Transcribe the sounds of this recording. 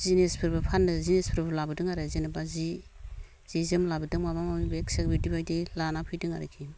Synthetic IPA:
z̥inespʰɯɾbɯpʰanːɯzinespʰɯɾbɯlabɯdɯŋaɾazinɯbazi | z̥izɯmlabɯdɯŋmabamamibeksekbidibajdilanapʰɯjdɯŋa̰ɾɯ̰kʰi

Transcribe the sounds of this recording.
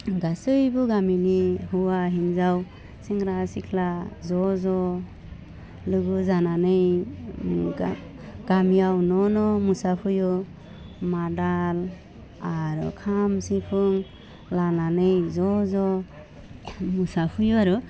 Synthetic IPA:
ɡasɯjbuɡaminihuwaɦinzaw | siŋɾasikʰlazɔzɔ | lɯɡuzananɯj | ɡ̥amijawnɔnɔmusapʰuju | madal | aɾɔ̰kʰamsipʰuŋ | lananɯjzɔzɔ | musapʰujuaɾu

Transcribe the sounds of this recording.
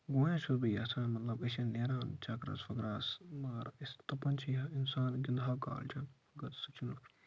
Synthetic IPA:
ɡõːjãːʃuɾbijɐːsaːnmɐt̪lɐbɐʃɐnːeːɾaːnt͡ʃaːkɾɐ̰sfɐkɾaːsmaːɾist̪ɐpɐnt͡ʃʰiɐɪnsaːnɡɪnd̪ʱɦaːka̰ːlt͡ʃʰɐn | ɡɐt̪sɐt͡ʃʰinu

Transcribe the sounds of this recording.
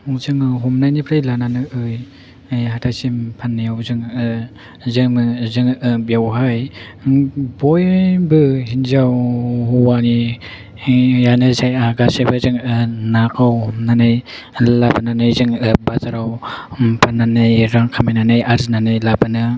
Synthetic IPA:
zɯŋɦɔmnanipʰɾajlananɯʔɯj | jhatʰasimpʰanːajawzɯŋ | zɯŋzɯŋɯbjawɦaj | bɔjbɯhinzawhuwani | janɯzajaɡasajbɯzɯŋɯnakʰawhmnanaj | labananɯjzɯŋɯbazaɾawpʰanːanajɾaŋkʰamajnanajaɾznanajlabanɯ

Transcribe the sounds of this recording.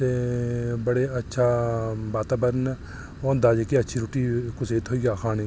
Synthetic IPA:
t̪eːbəɽeɐtːʃʰaːbaːt̪aːbəɾn | oːnd̪aːd͡ʒekiɐtːʃʰiɾuʈikʊseːt̪ɦoːiɡaːxʰaːnẽ

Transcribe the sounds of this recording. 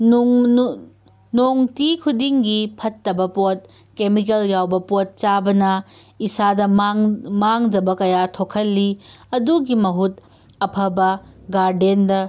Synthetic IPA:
noŋtikʰudiŋɡipʰɐtːɐbɐpot̚ | kemik̬eljawbɐpot̚t͡ʃabɐnɐ | isadɐmaŋd͡ʒɐbɐkɐjatʰokʰɐlːiɐduɡimɐɦut | ɐpʰɐbɐ | ɡaɾdendɐ

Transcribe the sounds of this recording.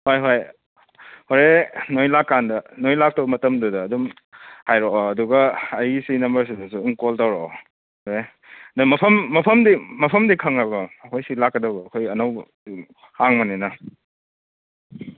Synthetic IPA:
hojɦoj | hoɾenojlakːandɐnojlak̚tɐwbɐmɐtɐmdudɐːdum | hajɾoɐduɡɐɐjsinɐmbɐɾs̬idɐsuiŋkoltawɾo | hoɾe | dɐmɐpʰɐmːɐpʰɐmdimɐpʰɐmdikʰɐŋabɐːkʰojsilakːɐdɐbɐːkʰojɐnɐw | haŋmɐninɐ

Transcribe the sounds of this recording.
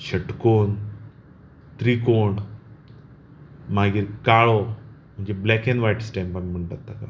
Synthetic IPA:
ɕəʈkon | t̪ɾikoɳ | maɡiːɾkaɭom̤əɳd͡ʑeblɛkẽnʋajʈsʈɛ̃mpamim̤əɳʈat̪ːaka

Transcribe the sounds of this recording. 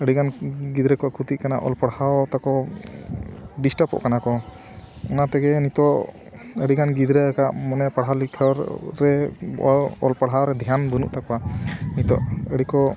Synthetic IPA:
əɽiɡanɡid̪ɾəkɔakʰut̪ikana̰ʔɔ̰lpaɽhawt̪akɔ | ɖisʈapɔ̰ʔkanakɔ | ɔnat̪ɛɡɛnit̪ɔʔ | əɽiɡanɡid̪ɾəəkaʔmɔnɛpaɽɦalikʰəɾɾɛ | ɔ̰lpaɽɦawɾɛd̪ʱijanbənṵʔt̪akanit̪ɔ̰ʔəɽikɔ

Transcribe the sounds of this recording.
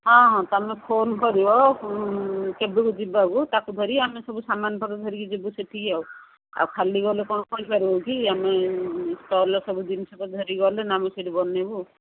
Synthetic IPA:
ɦɔ̃ɦɔ̃t̪ɔamepʰonkɔɾibɔ | kebukud͡ʒibaɡut̪akud̪ʱɔɾiamesɔbusamanpɔt̪ad̪ʱɔɾikid͡ʒibuseʈiaw | a̰wkʰaliɡɔlekɔnɔpɔipaɾiɔkiamesʈɔɾlɔsɔbud̪insɔbɔd̪ʱɔɾiɡɔlenamɔseʈibɔnebu

